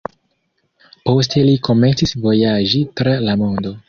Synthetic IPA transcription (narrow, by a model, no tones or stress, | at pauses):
po̞s̬te̞liko̞me̞nt͡sisvo̞jaʒitɾalamo̞ndo̞